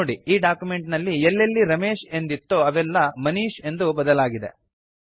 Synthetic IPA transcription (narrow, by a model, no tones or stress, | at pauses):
oːɽiiːɖaːkjume̞ɳʈnɐlːielːelːiɾɐmeːʃe̞nd̪it̪ːoɐʋɛlːɐmɐniːʃe̞nd̪ubɐd̪ɐlaːɡid̪e